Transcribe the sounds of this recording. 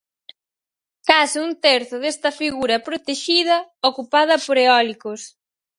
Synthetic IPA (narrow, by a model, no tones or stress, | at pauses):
kasunt̪eɾθʊðest̪ɐfiɣuɾɐpɾot̪eʃið̞ɐokupað̞ɐpoɾeɔlikos